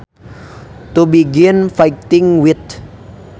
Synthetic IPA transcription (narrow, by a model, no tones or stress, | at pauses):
tubiɡɪnfajtɪ̃ŋwit̪